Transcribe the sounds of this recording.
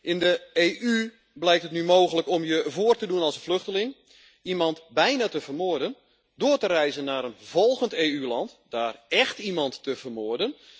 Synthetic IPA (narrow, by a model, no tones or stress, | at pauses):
ʔɪndəeːʔy | blɛjktətnymoːɣələkɔmjəvoərtədunɑlˠsəflɵxtəlɪŋ | imɑntbɛjnatəvərmʊərdən | dʊətərɛjzənːaːɾənv̥ɔlˠɣənteːylɑntdaːrɛxtimɑntːəvərmʊərdən